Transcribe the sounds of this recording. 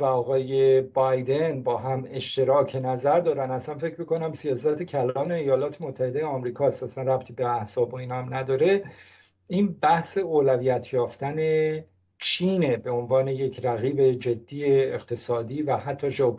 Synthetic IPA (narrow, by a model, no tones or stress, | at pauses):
væɒːɣɒːje̞bɒjd̪e̞nbɒːɦæme̞ʃt̪ʰe̞ɾɒːcʰenæzæɾd̪ɒːɾænæslænfe̞cʰɾmikʰonæmsijɒːs̬æt̪ʰecʰælɒːne̞ːjɒːlɒːt̪ʰe̞mot̪ʰːæhe̞d̪ejeɒmɾiːkʰɒːst̪æsænræp̚t̪ʰiːbeæhsɒːboiːnɒmnæd̪ɒːɾe̞ | iːnbæhse̞oːlæviːjæt̪ʰjɒːft̪æne̞ | t͡ʃʰiːnebe̞o̞nvɒːne̞je̞cʰɾæɣiːbe̞d͡ʒe̞d̪ːiːeːqt̪ʰe̞sɒːd̪iːvæhæt̪ʰːɒːd͡ʒɒːpʰ